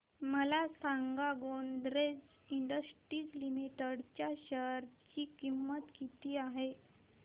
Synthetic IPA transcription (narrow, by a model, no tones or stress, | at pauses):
məlasaŋɡaɡond̪ɾed͡z | iɳɖəsʈɾiːklimiʈəɽt͡ɕjaɕəɾt͡ɕiːkimːət̪kit̪iːaɦe